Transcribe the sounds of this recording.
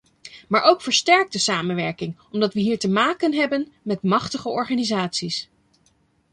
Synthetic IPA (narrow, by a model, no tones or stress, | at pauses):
maːɹʔowkfəɹstɛɹk̚dəsaːmənʋɛɹkɪŋɔmdɑtʋəɦiːɹtəmaːkənɦɛbənmɛtmɑχtəχəʔɔɹχaːnizaːtsis